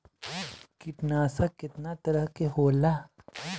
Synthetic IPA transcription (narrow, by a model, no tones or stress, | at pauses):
kɪʈnaːsakɪt̪nat̪ɐɾəɦkeɦoːla